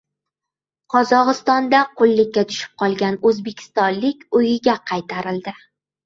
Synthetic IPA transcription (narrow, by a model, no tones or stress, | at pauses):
qʰɒzɒʁɨst̪ɒnd̪aqʰʊlˠːɪkʲːat̪ʰʊ̥ʃɪ̥p̚qʰɒlˠɡʲanɵzbe̞kʲʰɪ̥st̪ɒnlɪkʲʊjɪɡʲaqʰɑjt̪ʰaɾɪld̪ɪ